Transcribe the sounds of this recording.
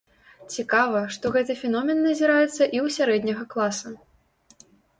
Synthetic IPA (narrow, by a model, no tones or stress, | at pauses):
t͡sʲikavɐʂt̪ɔɣɛt̪ɨfʲɛnɔmʲɛnːɐzʲiɾajɛt̪sːɐʔiwsʲaɾɛd̪ʲnʲɐɣɐklˠasɐ